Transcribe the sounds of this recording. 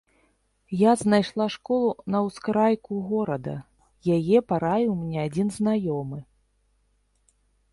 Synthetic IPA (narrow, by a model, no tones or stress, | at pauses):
jaznajʂlˠaʂkɔlˠunɐwskɾajkuɣɔɾɐd̪ɐ̰ | jajɛpaɾajiwmʲnʲɛad͡zʲinznajɔmɨ